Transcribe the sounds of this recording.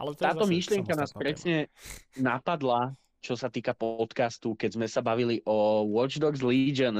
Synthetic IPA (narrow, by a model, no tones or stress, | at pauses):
t̪aːt̪ɔmiʃlɪɛŋkanaːspɾɛsɲɛnapad̪la | t͡ʃɔsat̪iːkapɔt̪kast̪ukɛzmɛsabaʋiliʔɔwɔd͡ʒd̪ɔɡzlid͡ʒən